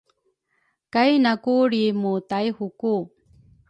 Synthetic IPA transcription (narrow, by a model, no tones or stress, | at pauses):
kajnakuɾimutajhuku